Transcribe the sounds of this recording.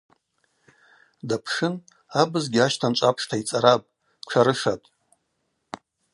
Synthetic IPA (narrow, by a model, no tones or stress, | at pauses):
dapʰʂɨn | abɨzɡʲiaʃtʰant͡ʃʷʼapʰʂtʰait͡sʼaɾapʼ | ʈ͡ʂʷʰaɾɨʂatʼ